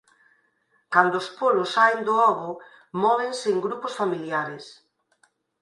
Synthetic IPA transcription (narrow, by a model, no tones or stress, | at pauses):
kand̪ʊːspolʊsːajnd̪ʊɔɣʊ | mɔβenseːŋɡɾupʊsfamiljaɾes